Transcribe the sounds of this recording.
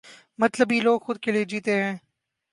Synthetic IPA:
mɐt̪ləbɦiloːɡxʊd̪̚kelied͡ʒiːt̪eɦɛ̃ː

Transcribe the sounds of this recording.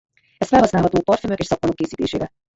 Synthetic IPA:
ɛst̪fɛlɦɒsnaːlɦɒt̪oːpɒrt̪fømøkeːʃsɒk̚monokːeːsiːt̪ḛːʃḛːɾɛ

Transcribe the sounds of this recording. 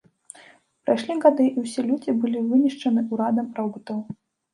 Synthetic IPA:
pɾajʂlʲiɣad̪ɨʔiwsʲɛlʲud͡zʲibɨlʲivɨnʲiʂt͡ʂɐnɨuɾad̪ɐmpɾawɡut̪ɐw

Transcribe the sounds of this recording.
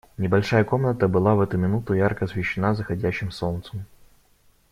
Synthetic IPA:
nʲɪbɐlʲʂajəko̞mnət̪əbɨlˠavɛt̪ʊmʲɪnut̪ʊjarkəɐsvʲɪɕːɪnazəxɐdʲæɕːɪmsolnt̪səm

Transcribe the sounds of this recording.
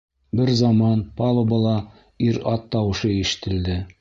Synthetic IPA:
bɘɾzɑmɑnpɑlˠɤ̆bɤ̆lˠɑ | iɾɑt̪ːɑwɤ̆ʃɤiʃɘ̥̆t̪ʰɘ̆ld̪ɘ

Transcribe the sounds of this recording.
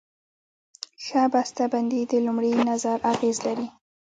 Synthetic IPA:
ʃabast̪aband̪id̪əlʊmɽinazaɾaɣezlaɾi

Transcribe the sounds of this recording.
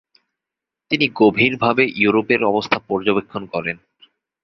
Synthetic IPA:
t̪iniɡobʱiɾbʱabeʔjuɾopeɾɔbost̪ʰapɔɾd͡ʑobekʰːonkɔɾen

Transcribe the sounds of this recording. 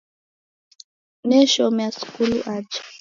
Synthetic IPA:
nɛʃɔmjaskuluʔad͡ʒ

